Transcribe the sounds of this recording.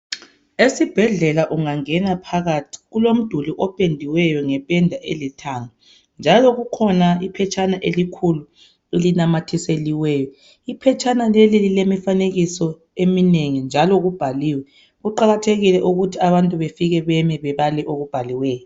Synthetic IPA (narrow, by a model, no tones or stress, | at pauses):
esib̥ʱɛɮɛlaʔuŋaŋɛnapʰaɣatʰi̥ɣulom̩d̥ʱuliʔɔpʼendʱiwɛjɔŋɛpʼɛndʱaʔelitʰaŋa | nd͡ʒʱalɔɣukʰɔnaipʰɛt͡ʃʼanaʔelikʰulu | ilinamatʰiseliwɛːjɔ | ipʰɛt͡ʃʰʼanalelililemifaneɣisɔ | emineŋind͡ʒʱalɔɣub̥ʱaliːwɛ | ɣuǃaɣatʰeɣilɛʔuɣutʰiaβantʼuβefiɣɛβɛmiβɛβalɛʔoɣub̥ʱaliwɛːjɔ